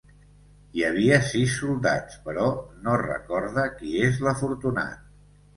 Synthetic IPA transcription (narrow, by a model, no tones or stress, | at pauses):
jəβ̞iəsisːulˠd̪a̰t͡spəɾɔnorə̰kɔɾðəkiezləfuɾt̪una̰t̪̚